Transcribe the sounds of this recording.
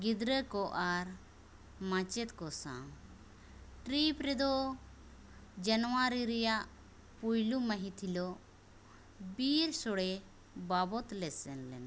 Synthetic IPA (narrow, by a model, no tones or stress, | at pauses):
ɡid̪ɾəkɔʔaɾ | mãt͡ʃɛt̪kɔsã̰ | ʈɾipɾɛd̪ɔ | d͡ʒanɔwaɾiɾɛjaʔ | pujluməɦĩt̪ʰilɔ | biɾsɔɽɛ | babɔt̪lɛsɛnlɛn